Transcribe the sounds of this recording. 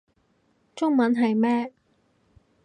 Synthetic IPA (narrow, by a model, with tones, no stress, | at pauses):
t͡ʃʊ˥ŋmɐ˨˥nɦɐ˨jmɛː˥